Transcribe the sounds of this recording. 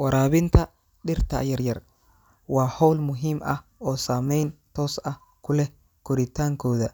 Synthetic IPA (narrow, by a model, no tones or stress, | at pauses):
wɐɾaːβɪnt̪ʰɐ | ɗɪrt̪ʰɐ̰jɐrjɐr | wɑːhɔwlmʊɦiːmʔɐhɔːsaːmɛjnt̪ʰɔːsɐh | kʰʊlɛ | kʰʊɾɪt̪ʰaːŋkʰɔːðɐ